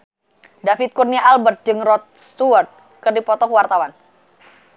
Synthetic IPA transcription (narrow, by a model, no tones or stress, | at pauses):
dafɪt̪̚kurniaʔalbərt̪̚d͡ʒɨŋrɔt̪̚st̪uərt̪̚ | kərdipɔt̪ɔkwart̪awan